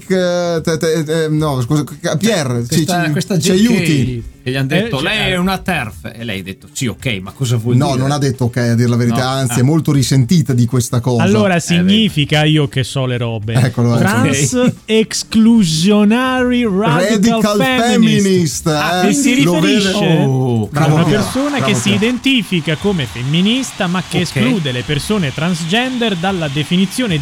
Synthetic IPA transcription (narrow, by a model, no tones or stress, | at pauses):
kt̪tɛɛnɔskuːzapjɛrt͡ʃit͡ʃkwest̪ad͡ʒt͡ʃiajuːt̪ikeʎiand̪et̪ːolɛjɛunat̪ɛrfḛelɛ̰jad̪et̪ːo̥t͡ʃio̰kːɛjmakːɔzavwɔnɔnonad̪ːet̪ːookːɛjad̪ːiɾelaveɾit̪aant̪siɛmːolt̪oɾisent̪iːt̪ad̪ikwest̪akɔːazlːaoːɾasiɲːifikaiːokesɔleɾɔːbeɛkːoaloɾnsekskluzjonaːɾirarad̪ialalfɛfɛmːinist̪ɛesiɾifeɾiʃeɾaunapeɾssoːnakkesːiːd̪ent̪iːfikakomefemːinist̪amakːeːskluːd̪elepersoːnet̪ɾansd͡ʒɛnd̪ɛrd̪alːad̪efinit̪sːjoːne